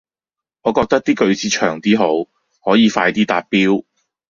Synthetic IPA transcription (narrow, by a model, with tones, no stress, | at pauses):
ŋɔː˨˧kɔː˧k̚t̪ɐ˥k̚t̪iː˥kɵ˧ɥt͡sʰiː˨˧˥t͡ʃʰœ̰ː˨˩ŋt̪iː˥ɦo˨˥w | hɔː˨˥jiː˨˧faː˧jt̪iː˥t̪a̰ː˧t̚piː˥w